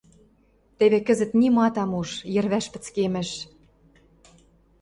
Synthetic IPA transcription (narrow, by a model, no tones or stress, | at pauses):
t̪eβekə̆zə̆t̪nimɑt̪ɑmuʒjɘ̆rβæʃpɘ̆t͡skemɘ̆ʃ